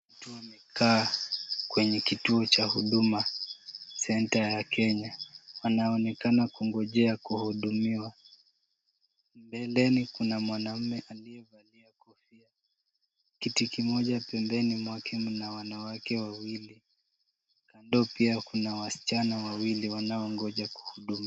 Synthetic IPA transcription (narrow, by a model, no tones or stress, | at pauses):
watuwamɛkaːkwɛɲɛkituɔt͡ʃahuɗuma | sɛntajakʰɛɲawanaɔnɛkanakuŋɡɔʄɛakuhuɗumiwa | mbɛlɛnikunamwanam̩mɛʔaliɛvaliakɔfia | kitikimɔʄapɛmbɛnimwakʰɛmunawanawakɛwawili | kandɔpiakunawasi̥t͡ʃanawawiliwanaɔŋɡɔʄaku̥huɗumi